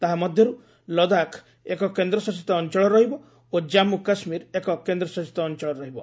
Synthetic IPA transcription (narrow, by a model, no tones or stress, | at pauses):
t̪aɦamɔd̪ʱjɔɾu | lɔd̪akʰ | ekɔkend̪ɾɔsɔsi̥t̪ɔːnt͡ʃɔɭɔɾɔɦibɔ | od͡ʒamukasmiɾekɔkend̪ɾɔsɔt͡ʃi̥t̪ɔːnt͡ʃɔɭɔɾɔɦibɔ